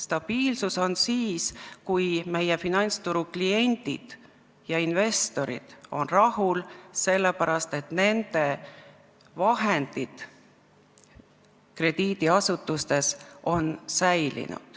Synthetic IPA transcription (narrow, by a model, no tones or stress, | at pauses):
st̪ɑb̥iːlsuso̞nsiːskujme̞jefinɑnʲt̪st̪uɾuklie̞nʲt̪ḭd̪̥ | jɑinve̞st̪o̞ɾḭd̪̥o̞̰nrɑhulse̞lːepæɾɑst̪e̞t̪ne̞nd̪̥e̞ | vɑɦend̪̥id̪̥ | kre̞d̪̥iːd̪iɑsut̪ːˑust̪e̞so̞nsæjlḭnṵd̪̥